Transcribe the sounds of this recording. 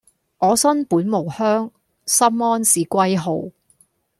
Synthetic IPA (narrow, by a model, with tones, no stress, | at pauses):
ŋɔː˨˧sɐ˥npuː˨˥nmo˨˩whœː˥ŋ | sɐ˥mɔː˥nsiː˨˩kʷɐ˥jɦo˨˧˩w